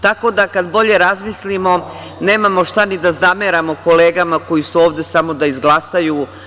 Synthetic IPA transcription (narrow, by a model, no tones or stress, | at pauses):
t̪ako̞d̪akad̪bo̞ʎe̞ɾazmislimo̞ | ne̞ːmamo̞ʃt̪anid̪azame̞ɾamo̞ko̞leːɡamako̞jisuoːʋd̪e̞samo̞d̪aizɡlˠasajuː